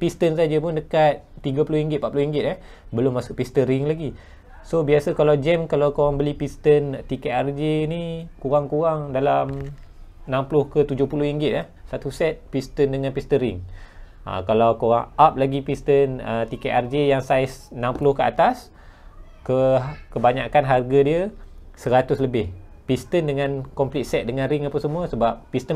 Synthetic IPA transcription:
pist̪ənsad͡ʒəpʊndəkat̪̚ːiɡapulʊhiŋɡɪt̪̚pat̪̚pulʊuhiŋɡɪt̪ah | bəlʊmːasʊʔpist̪əɾiŋlaɡi | sobiasəkalawd͡ʒɛmkalawkoɾaŋbəlipist̪ənt̪ikɛʔard͡ʒenikuɾaŋkuɾaŋdalam | nãmplʊhkət̪ud͡ʒʊhpulʊhiŋɡɪt̪̚ah | sat̪usɛt̪̚pist̪əndəŋãnpist̪əɾɪŋ | ʔa̰kalawkuɾaŋap̚laɡipist̪ənət̪ikeʔard͡ʒejaŋsaɪsnãmplʊhkəa̰t̪as | kəkəbaɲakanɦarɡadiəsəɾat̪ʊsləbɪhpist̪əndəŋãnkɔmplit̪̚sɛt̪̚dəŋãnriŋapəsəmuəsəbap̚ːist̪ə

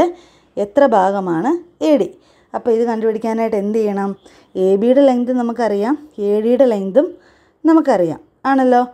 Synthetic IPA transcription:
e | et̪rɐbʱaːɡɐmaːɳɨeːɽi | ɐpːoːiðɨkɐɳɖɨʋɐɽikʲːaːnaːjʈːe̞nd̪ejːɐɳɐm | eːbijuɽelejnd̪umnɐmukːɨɐrijaːme̞ːɽijuɽelejnd̪um | nɐmukːɨɐrija̰ːm | aːɳɐlːo̞ː

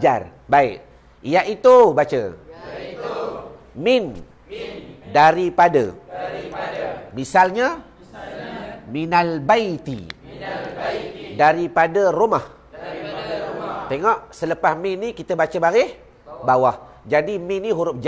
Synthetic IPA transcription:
d͡ʒa̰rbaɪʔ | ijaʔit̪ubat͡ʃə̰ | mɪn | daɾipadə̰ | misalɲa | minalbait̪ḭ | daɾipadərumah | t̪eŋɔʔsələpahmɪnːikit̪əbat͡ʃəbaɾɪh | bawah | d͡ʒadimɪnːiɦuɾʊp̚d͡ʒ

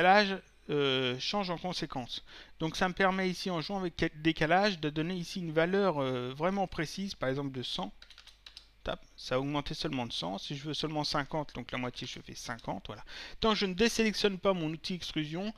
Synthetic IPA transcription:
laʒ | øʃɑ̃ʒɑ̃kɔ̃sekɑ̃sd̪̥ɔ̃ksaməpɛʁmɛisiɑ̃ʒwɑ̃avɛkɛd̪ekalaʒd̪əd̪ɔneisiynvalœʁøvʁɛmɑ̃pχesizpaʁɛɡzɑ̃pld̪əsɑ̃ | t̪a̰p̚saɔɡmɑ̃t̪esœlmɑ̃d̪əsɑ̰̃siʒəvøsœlmɑ̃sɛ̃kɑ̃t̪̚d̪ɔ̃klamwat̪jeʒəfɛ̰sɛ̃kɑ̃t̪vwa̰lat̪ɑ̃kʒənəd̪eselɛksjɔnpamɔ̃nut̪iɛkst̪χyzjɔ̃

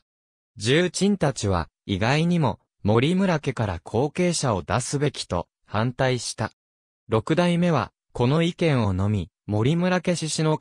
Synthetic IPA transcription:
d͡ʑɨːt͡ɕĩnt̪at͡ɕiβ̞a̰ | iɡaiɲ̟imo̞ | mo̞ɾʲimɯ̟ɾake̞kaɾakʰo̞ːke̞ːɕao̞d̪asɨbe̞kʲi̥t̪o̞̰ | hãnt̪aiɕi̥t̪a | ɾo̞kɯ̟d̪aime̞β̞a̰ | ko̞no̞ikẽ̞ɰ̃o̞no̞mʲi | mo̞ɾʲimɯ̟ɾake̞ɕiɕino̞

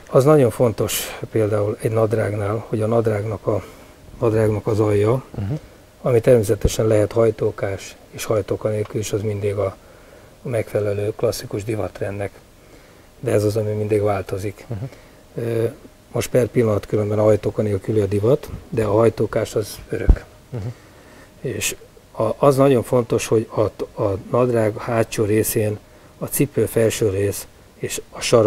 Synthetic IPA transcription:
ɒznɒɟo̞ɱfo̞nt̪o̞ʃpeːld̪aːulɛɟnɒd̪raːɡnaːlho̞ɟɒnɒd̪raːɡnɒkɒ | nɒd̪raːɡnɒkɒzɒjːɒ | ɒmit̪ɛrmeːsɛt̪ɛʃɛnlɛɦɛt̪hɒjt̪oːkaːʃ | eːʃhɒjt̪oːkɒneːlkyliʃɒzmind̪iːɡɒ | mɛkfɛlɛløːklɒsːikuʒd̪ivɒt̪rɛnːɛk | d̪ɛɛzɒzɒmimind̪iːɡʋaːlt̪o̞zik | ø | moʃtpɛrpilːɒnɒt̪køɾømbɛnɒɦɒjt̪oːkɒneːlkyliɒd̪ivɒt̪d̪ɛɒɦɒjt̪oːkaːʃɒzøɾø̰k | eːʃ | ɒʔːznɒɟo̞ɱfo̞nt̪o̞ʃho̞ɟɒɒnɒd̪raːɡɒhaːt͡ʃːoːɾeːseːn | ɒt̪sipːølfɛlʃøːreːs | eːʃɒʃɒɾ

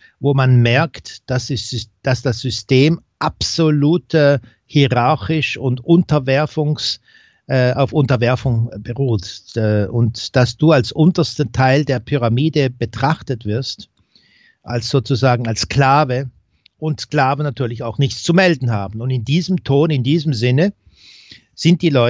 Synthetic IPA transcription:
voːmanmɛɐktd̥asi̥d̥asd̥asz̥ʏsteːmʔapz̥oluːtʰə | hiʁaɐçɪʃʊntʔʊntɐvɛɐfʊŋsː | ʔaʊfʊntɐvɛɐfʊŋbəʁuːɛʔʊntd̥asd̥uːalsʔʊntɐstətʰaɪldeːɐpʰyʁ̞amiːdəb̥ətʁ̥aχtətv̥ɪɐst | ʔalsz̥oːt͡suzaːɡŋ̩alskl̥aːvə | ʔʊntskl̥aːvənatʰyːɐlɪçaʊxnɪçtt͡sumɛldn̩ɦaːbn̩ʊndɪndiːzəmtʰoːnɪndiːzəm̩zɪnə | z̥ɪnt̚d̥iːlɔʏ

